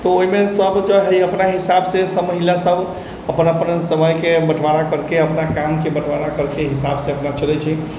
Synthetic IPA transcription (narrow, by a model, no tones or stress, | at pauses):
t̪ɔoɦimesəbd͡ʒɔɦəiəpnaɦisabsesəmːəɦiljasəb | əpənəpənsəməjkebəʈʰʋaɽakəɾkeəpnakamkebəʈʰʋaɽakəɾkeɦisabseəpnat͡ʃəlɛt͡ʃʰɛ